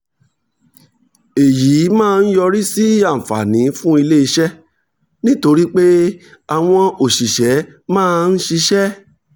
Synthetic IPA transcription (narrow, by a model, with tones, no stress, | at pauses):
e˨jiː˨˦mãː˦˧n̩˦jɔ˧ɾi˦si˦a˦˨m̩˨fa̰˨nĩ˨˦fũ˦i˧le˦i˧ʃɛ˦ | nĩ˦to˧ɾi˦k͡pe˦ | a˨w̃ɔ̃˧o˨ʃi˨ʃɛ˨˦mãː˦˧n̩˦ʃi˧ʃɛ˦